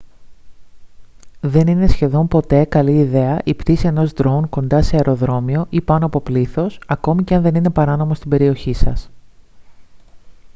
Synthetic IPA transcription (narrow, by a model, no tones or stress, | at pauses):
ðe̞nine̞sçe̞ðo̞mpo̞t̪e̞kɐliːðe̞ɐʔipt̪isie̞no̞zd̪ɾounko̞nd̪ɐse̞ɐeɾo̞ðɾo̞mio̞ʔipɐno̞ɐpo̞pliθo̞sɐko̞miceɐnðe̞nine̞pɐɾɐno̞mo̞st̪ibe̞ɾio̞çisɐs